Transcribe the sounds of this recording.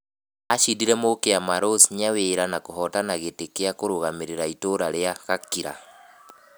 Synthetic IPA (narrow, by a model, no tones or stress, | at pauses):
aʃidiɾɛmokeamaɾosɲaweɾanakoɦɔtanaɣetekeakoɾoɣameɾeɾaitoɾaɾeaɣakiɾa̰